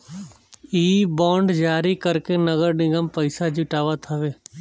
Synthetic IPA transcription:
iːbɔ̃ːɳɖd͡ʒaːɾikəɾkenəɡəɾnɪɡəmpəɪsad͡ʒɪʈaːʋat̪ʰaʋeː

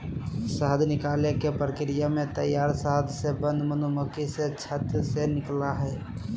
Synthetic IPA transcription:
səɦəd̪ʱnɪkaːlekepɾəkɾijamẽt̪əjaːɾsəɦəd̪ʱsebə̃nd̪ʱmənoməkiset͡ʃʰət̪senɪklaɦɛː

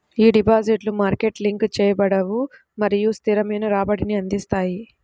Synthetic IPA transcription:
iːɖipaːd͡ʒiʈlumaːɾkeʈliŋkt͡ʃɛːjɐbɐɽɐʋu | mɐɾijust̪ʰiɾɐmɐjnɐɾaːbɐɽiniɐnd̪ist̪aːji

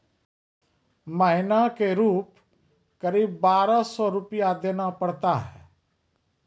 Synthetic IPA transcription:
məɦɪnakeɾuːp | kəɾiːbːaːɾasɔɾʊpijad̪enapəɽt̪aɦɛː

